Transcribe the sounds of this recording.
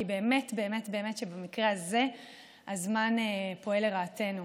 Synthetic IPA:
ibe̞ːme̞tbe̞ːme̞tbe̞eme̞tʃebemikʁeaze̞ | azmanepo̞e̞leʁaːte̞nu

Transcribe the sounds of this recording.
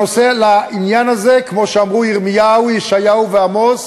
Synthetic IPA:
oselaʔinjanaze̞kmo̞ʃeamʁuiʁmijaujiʃajauveamoz

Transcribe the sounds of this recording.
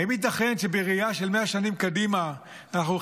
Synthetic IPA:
imit̪̬aχe̞nʃebeʁiaʃelmeaʃanimkadimaː | naχnu

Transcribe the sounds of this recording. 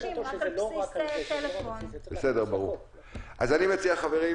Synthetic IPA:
elefonbesedeʁbaʁuʁ | ʔa̰zanimet͡siaχaveʁi

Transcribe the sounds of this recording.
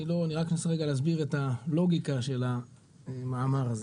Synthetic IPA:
ilo̞aniʁaknaseʁeɡaleːz̬biʁetalo̞ɡikaʃe̞la | maːmaʁaze

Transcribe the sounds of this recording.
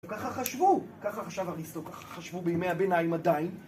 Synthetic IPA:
kaχaχaʃvukaχaχaʃavaʁistokaχḁχaʃvubejimejhabenajimad̪ajin

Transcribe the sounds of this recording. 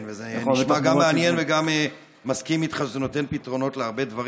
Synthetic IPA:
nvezeniʃmaɡammeanjenveɡame | maskimit̪χazeno̞t̪e̞npitʁo̞no̞tleaʁbe̞d̪vaʁ

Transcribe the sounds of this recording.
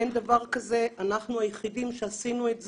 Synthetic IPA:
end̪avaʁkaze̞ʔanaχnuajeχidimʃeasinuetz

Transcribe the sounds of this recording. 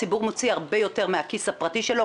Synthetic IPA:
ibuʁmot͡siaʁbejo̞te̞ʁmeakishapʁatiʃelo̞

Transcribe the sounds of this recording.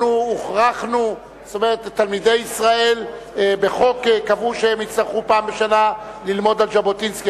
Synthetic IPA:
uuχʁaχnu | st̪omeʁettːalmide̞jisʁae̞l | beχo̞kekavuʃeemit͡slaʁχupaːmbeʃanalilmo̞d̪alʒabotinski

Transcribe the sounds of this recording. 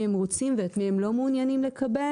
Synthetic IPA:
emʁot͡simvet̪miemlo̞muːnjanimle̞kʰabe

